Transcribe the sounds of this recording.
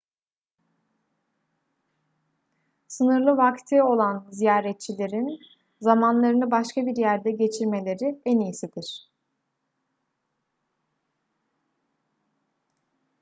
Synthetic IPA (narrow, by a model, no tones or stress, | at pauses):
sɯnɯɾlˠɯvakt̪ʰɯo̞lˠanzijaːɾɛt̪̚t͡ʃʰilʲe̞ɾin | zamanlˠaɾɯnɯbaʃkʰabiɾjæɾd̪ɛɟe̞t͡ʃʰiɾme̞lʲe̞ɾiɛnijsid̪iɾ̥